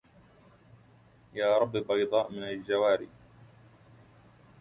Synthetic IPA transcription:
jaːɾˤɑbːibɑjd̪ˤɑːʔmɪnald͡ʒawaːɾḭː

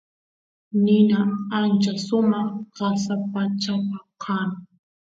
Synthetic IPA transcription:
nɪnaant͡ʃasʊmɑχɢasapat͡ʃapakʰaŋ

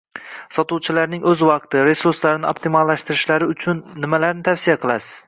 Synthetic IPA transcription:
sɒt̪uwt͡ʃʰɪlaɾnɪŋʔɵzvɑq̚t̪ɪɾe̞suɾslaɾɪnɪop̚t̪ʰɪmalˠːaʃt̪ɪɾɪʃlaɾɪʊt͡ʃʰʊnːɪmalaɾnɪt̪ʰafsɪjaqʰɨlˠasɪ̥z̥

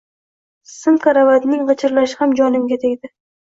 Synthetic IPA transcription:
sɨmkʰaɾavad̪nɪŋʁɨt͡ʃʰɪɾlaʃɪ̥hamd͡ʒɒnɪmɡʲat̪ʰeɡʲd̪ɪ

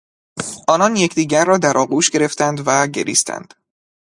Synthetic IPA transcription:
ʔɒːnɒnje̞cʰd̪iːɟæɾːɒːd̪æɾʔɒːɡuːʃɡe̞ɾe̞ft̪ʰænd̪væɟe̞̰ɾḭːst̪ʰæ̰nd̪̥

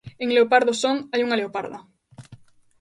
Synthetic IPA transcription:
eŋleopaɾðosoŋajuŋaleopaɾðo̰

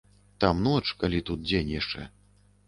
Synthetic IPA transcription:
t̪amnɔt͡ʂkalʲit̪ut̪̚d͡zʲenʲjaʂt͡ʂɛ̰

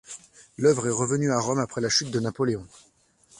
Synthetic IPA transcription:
lœvʁɛʁəvənyaʁɔmapχɛlaʃyt̪̚d̪ənapɔleɔ̃

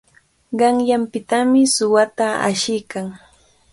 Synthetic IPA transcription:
ɢɑŋjampɪt̪amɪsʊwat̪aa̰ʃɪjkaŋ

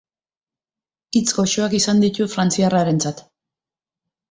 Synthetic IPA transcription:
it͡sɡo̞ʃo̞akisand̪it̪ufɾant͡siaraɾe̞nt͡sat̪

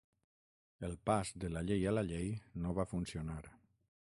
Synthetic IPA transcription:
elˠpazd̪əlaʎejalaʎejnoβafunsionaɾ

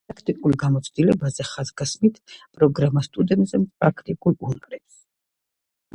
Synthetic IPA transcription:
pʼɾakʰt̪ʼikʼulˠɡamɔt̪sʰd̪ilɛbazɛχazɡasmit̪ʰpʼɾɔɡɾamast̪ʼud̪ɛnt̪ʼzɛpʼɾakʰt̪ʼikʼulˠunaɾɛps

